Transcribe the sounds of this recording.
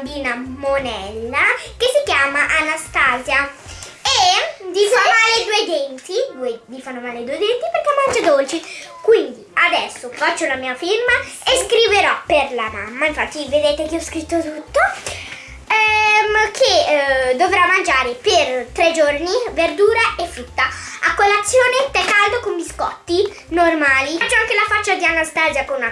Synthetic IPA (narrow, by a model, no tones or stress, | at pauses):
biːnamonɛlːakesikjaːmaʔanast̪aːzja | ed̪ifamaled̪ued̪ɛnt̪id̪ued̪ifanːomaːled̪uːed̪ɛnt̪iperkemːand͡ʒad̪olt͡ʃikwind̪iad̪ɛsːofat͡ʃːounamiːafirmaeskɾiveɾɔperlamamːaiɱfat̪ːived̪eːt̪ek̟iɔskɾit̪ːot̪ut̪ːo | ɛkʰed̪ovɾamːand͡ʒaːɾepert̪ɾed͡ʒorniverd̪uːɾaefːɾut̪ːaakwelːat̪sːjoːnet̪ɛkːald̪okombiskɔt̪ːi | normaːliat͡ʃːoaŋkelafat͡ʃːad̪ianːast̪azjakona